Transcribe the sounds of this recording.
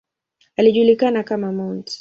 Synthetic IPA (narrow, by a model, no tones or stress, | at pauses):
aliʄulikanakamamɔnt